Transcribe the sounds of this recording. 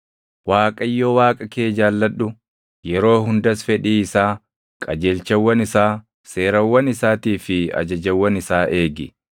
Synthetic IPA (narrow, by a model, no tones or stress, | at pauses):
waːkʼɐjːoːwaːkʼɐkeːd͡ʒaːlːɐᶑʊ | jɛɾo̞ːhʊnd̪ɐsfɛᶑiːɪsaː | kʼɐd͡ʒeːlt͡ʃɐwːɐnɪsaː | seːɾɐwːɐnɪsaːt̪iːfɪɐ̰d͡ʒɐd͡ʒɐwːɐnɪsaːʔe̞ːɡɪ